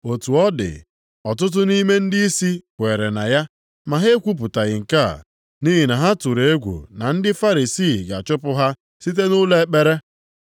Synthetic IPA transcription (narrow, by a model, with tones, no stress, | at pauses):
o˨tu˨ɔ˦dɪ̰˨ | ɔ˨tʊ˦t̬ʊ˦ni˦me˦n̩˦di˦i˦si˦kʷe˨ɾe˨na˨ja˦ | ma˨ɦe˦kʷu˦p̬ʊ˨ta˨ɣɪ˨ŋ̩˨ka˦˨ | ni˦ɦi˨na˨ɦa˦tu˨ɾe˨e˦ɡʷṵ˨na˨n̩˦dɪ˦fa˦ɾi˨si˦˨ɡa˨t͡ʃʊ˦pʊ˦ɦa˦ | si˦t̬e˦nʊ˦le˦k͡pe˦ɾe˦